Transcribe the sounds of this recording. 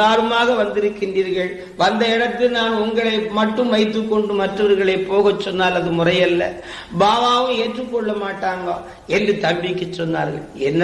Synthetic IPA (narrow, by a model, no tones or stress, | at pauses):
aːɾɯmaːɣɐʋɐnd̪ɪɾɯkːɪnriːɾɣɐɭ | ʋɐnd̪ɐɪɽɐt̪ːɯnaːnʊŋɡɐɭɐɪmɐʈːɯmʋɐɪt̪ːɯkːɔɳɖɯmɐʈrɐʋɐɾɣɐɭɐɪpːoːɣɐt͡ʃːɔnːaːlɐðɯmʊrɐjɐlːɐ̰ | baːʋaːʋɯ̃eːʈrɯkːɔɭːɐmaːʈːaːŋɡaː | ɛndrɯt̪ɐmbɪkːɐt͡ʃːɔnːa̰ːɾɣɐ̰ɭɛnːɐ